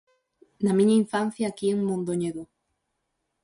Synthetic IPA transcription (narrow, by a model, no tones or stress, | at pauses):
nɐmĩɲɐiɱfanθjaːkieŋmõnd̪oɲeðo